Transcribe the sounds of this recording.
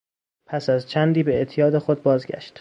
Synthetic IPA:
pʰæsæzt͡ʃʰænd̪iːbe̞eʔt̪ʰijɒːd̪e̞xod̪̚bɒːzɟæ̰ʃt̪

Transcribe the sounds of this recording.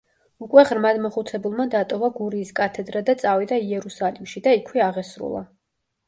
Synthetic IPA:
ukʼwɛʁɾmad̪mɔχut̪sʰɛbulˠmad̪at̪ʼɔvaɡuɾiːskʼat̪ʰɛd̪ɾad̪at̪sʼavid̪aiɛɾusalimʃid̪aikʰwɛaʁɛsɾṵlˠa̰

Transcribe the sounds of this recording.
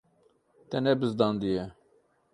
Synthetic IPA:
t̪ɛnɛbɨzd̪ɑːnd̪ijɛ

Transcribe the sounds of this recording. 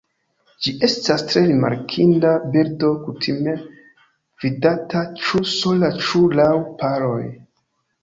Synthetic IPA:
d͡ʒiʔe̞stastɾe̞ɾima̰ɾkʰindabiɾdokutʰime̞ | v̥idatat͡ʃuso̞lat͡ʃulawpaɾo̞̰j

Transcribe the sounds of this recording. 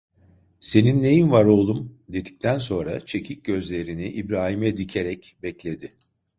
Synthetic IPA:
se̞ninːe̞jinvaɾo̞lˠumd̪e̞d̪i̥c̚ʲt̪ʰænso̞nɾa̰t͡ʃʰe̞cʰic̚ɟø̞zlʲe̞ɾiniʔibɾaːɦimɛd̪icʰe̞ɾɛcbɛclʲe̞d̪ɪ

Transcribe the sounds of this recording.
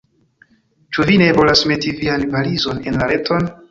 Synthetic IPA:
t͡ʃuvine̞vo̞lasme̞tivianvalizo̞ne̞nlaɾe̞tʰo̞n

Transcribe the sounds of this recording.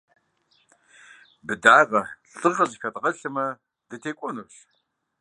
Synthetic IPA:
bɨdaːʁɐɬʼɨʁʼɐzixɐtʁɐɬɨmɐ | dɨtʰeːkʷʼɔnuːɕ

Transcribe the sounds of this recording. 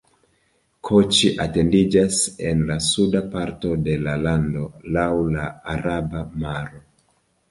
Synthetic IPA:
kʰot͡ʃiʔate̞ndid͡ʒase̞nlasudapaɾto̞de̞lalando̞lawlaːɾabamaɾo̞

